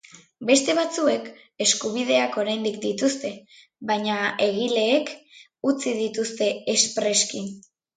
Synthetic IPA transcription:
be̞st̪e̞β̞at͡sue̞k | e̞skuβ̞ið̞e̞ako̞ɾajnd̪ikd̪it̪ust̪e̞ | βajɲae̞ɣile̞ːk | ut͡sið̞it̪ust̪e̞espɾe̞skin

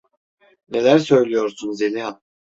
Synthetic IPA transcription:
ne̞lʲæɾsø̞jlʲijo̞ɾsunzeniɦa

